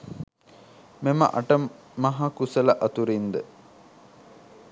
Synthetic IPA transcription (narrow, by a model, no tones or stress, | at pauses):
memə̰ʔɐʈə | mɐɦakusəlɐʔɐt̪uɾind̪ə